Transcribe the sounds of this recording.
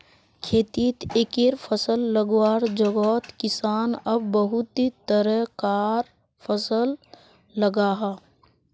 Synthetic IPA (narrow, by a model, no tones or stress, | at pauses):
kʰeːt̪iːt̪ekeɾpʰəsəlːəɡwaːɾd͡ʒəɡɔːt̪kɪsaːnəbːəɦut̪it̪əɾəkaːɾ | pʰəsəlː | əɡaːɦaː